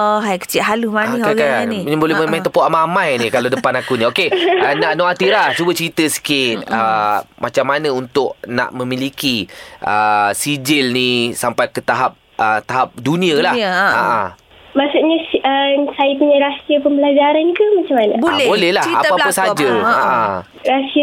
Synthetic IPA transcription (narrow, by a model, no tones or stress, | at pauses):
ɔɦajkə̥t͡ʃɪʔ̪ɦalumaniaɡkaaaniɲabolɛməmajt̪əpoʔamamãjnikalawdəpanakuniokeənaʔnɔat̪iɾat͡ʃubət͡ʃɾit̪əsə̥kɪt̪̚əmat͡ʃamːanəunt̪ʊʔ̚na̰ʔmə̃milikiəsid͡ʒɪlnisampajkət̪aɦap̚ | ʔət̪aɦap̚dunĩəlaha̰ʔa | maʔsuʔɲasəsajapuɲaɾasiəpəmbəlad͡ʒaɾankəmat͡ʃamanablbolɛhlaapaaəsad͡ʒəaʔa | ɾasiə